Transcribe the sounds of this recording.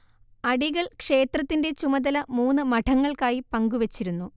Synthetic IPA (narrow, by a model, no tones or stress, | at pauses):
ɐɽiɣɐɭkʂe̞ːt̪rɐt̪ːinde̞t͡ɕumɐd̪ɐlɐmuːnːɨmɐʈʰɐŋːɐɭkaːjipɐŋɡuʋet͡ɕːiɾunːu